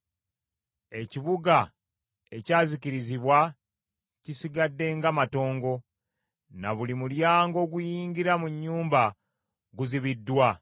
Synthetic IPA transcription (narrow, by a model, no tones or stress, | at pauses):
e̞ciβuɡa | e̞caːziciɾiziβwa | cisiɡadːe̞ŋɡamato̞ːŋɡo̞ | naβulimuljaːŋɡo̞ːɡujiːŋɡiɾamuɲːuːmba | ɡuziβidːwa